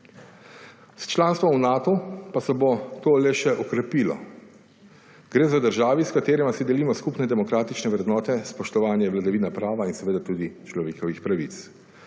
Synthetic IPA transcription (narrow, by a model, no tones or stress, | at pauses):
st͡ʃlaːnst̪ʋɔmwnaːt̪ɔpasɛbot̪oːlɛʃɛʔɔkɾɛpiːlɔ̰ | ɡ̥ɾeːzad̪əɾʒaːʋiskat̪eːɾɛmasid̪ɛliːmɔskupnɛd̪ɛmɔkɾaːt̪it͡ʃnɛʋɾɛd̪nɔːt̪ɛspɔʃt̪ɔʋaːnjɛʋlad̪aʋiːnapɾaːʋainsɛʋeːd̪at̪uːd̪it͡ʃlɔʋeːkɔʋixpɾaʋit̪s